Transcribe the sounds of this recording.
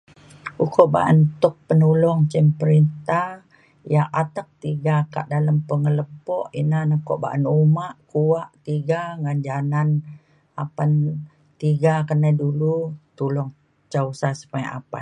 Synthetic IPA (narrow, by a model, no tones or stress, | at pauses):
ukɔʔba̰ʔə̰nt̪ʊk̚pənulɔŋt͡ʃɛmpəɾint̪ah | jaat̪ək̚t̪iɡaka̰ʔdaləmpəŋələpɔʔinanəkɔʔba̰ʔənumaʔkuwaʔt̪iɡaŋand͡ʒanan | apan | t̪iɡakənɛdulut̪ulɔŋ | t͡ʃausasə̥paʔa̰pas